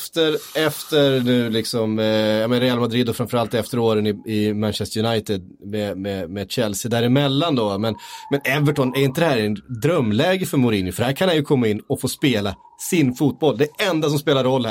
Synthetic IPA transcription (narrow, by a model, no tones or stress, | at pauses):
ft̪əɾɛft̪əɾnʉ̟ːlɪksɔmjamnɾɛalmad̪ɾid̪ɔfɾanfœɾalt̪ɛft̪əɾoːɾənɪɪmanɕɛst̪əjɵnajt̪ɪd̪̚ | mɛmɛmɛɕɛlsɪd̪æːɾɪmɛlːand̪ɔmɛnmɛnɛvəʈʰɔnɛɾɪnt̪əd̪ɛhæːɾnd̪ɾœmːlɛːɡəfœɾmʊɾiːnjʊfœɖhæːɾkʰanhanjɵkʰɔmːaɪnːɔfoːspeːla | sɪnfuːt̪̚bɔlːd̪ɛɛnd̪as̬ɔmspeːlaɾːɔlːhæ